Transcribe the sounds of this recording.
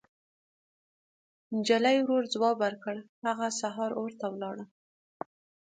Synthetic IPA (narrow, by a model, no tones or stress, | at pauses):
nd͡ʒalajwɾoɾd͡zwɑbaɾkəɽhaɣasaɦɑɾoɾt̪awlɑɽə